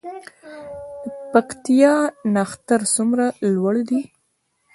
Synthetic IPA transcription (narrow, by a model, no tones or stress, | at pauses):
pakt̪ijɑnaxt̪aɾsumɾalwaɽd̪i